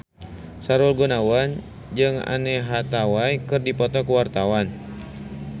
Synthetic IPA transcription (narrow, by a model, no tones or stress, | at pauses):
saɾulɡunawan | d͡ʒɨŋa̰nɛɦat̪awajkɨrdipɔt̪ɔkuwart̪awan